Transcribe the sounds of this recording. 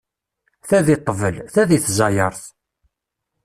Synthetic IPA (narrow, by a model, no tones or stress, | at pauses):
θæðit̪ˤːəvəlθæðiθzɑjəɾˤθ